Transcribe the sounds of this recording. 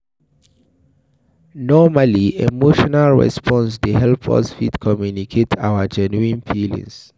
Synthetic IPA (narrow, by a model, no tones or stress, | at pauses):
nɔmaliemoʃɔnalɹɛ̰spʰɔ̃nsdehɛlpʰɔ̰sfitkʰɔmjunikʰetʰawəd͡ʒɛnuĩnfʰilḭ̃ns